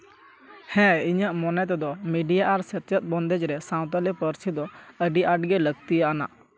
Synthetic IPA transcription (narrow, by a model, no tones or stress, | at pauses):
hɛ̃iɲəʔmɔnɛt̪̬ɛd̪ɔmiɖijaʔaɾsɛt̪jət̪̚ˀbɔnd̪ɛd͡ʒɾɛsãw̃t̪alɛpəɾsid̪ɔəɖiʔaʈ̚ɡɛləɡt̪ijaʔana̰ʔ